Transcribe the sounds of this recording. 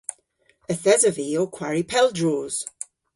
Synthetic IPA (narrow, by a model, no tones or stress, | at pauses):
əθɛzəviːokʰw̥aɹipʰɛlˠdɹoːz̥